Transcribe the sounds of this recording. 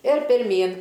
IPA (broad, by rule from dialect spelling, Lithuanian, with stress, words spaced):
ɪr pʲɪrʲˈmʲiːn